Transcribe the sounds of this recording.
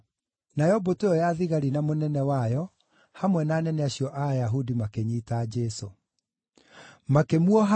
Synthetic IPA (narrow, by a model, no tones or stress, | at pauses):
najɔboteɔjaðiɣaɾinamonɛnɛwajɔ | hamwɛnaːnɛnɛaɕiɔʔajaɦudimakeɲiːtaːd͡ʒɛso̰ | makemuɔɦa